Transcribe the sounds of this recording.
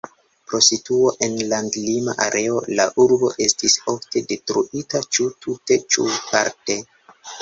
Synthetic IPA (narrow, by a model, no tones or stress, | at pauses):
pɾo̞situo̞ʔe̞nlandlima̰ʔaɾʔe̞o̞laʔuɾbo̞ʔe̞stiso̞fte̞de̞tɾuʔitat͡ʃutʰute̞t͡ʃṵpa̰ɾte̞